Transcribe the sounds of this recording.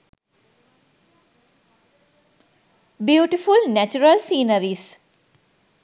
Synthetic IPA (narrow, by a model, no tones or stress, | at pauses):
bjuːʈifulnæt͡ʃuɾəlsiːnəɾiːs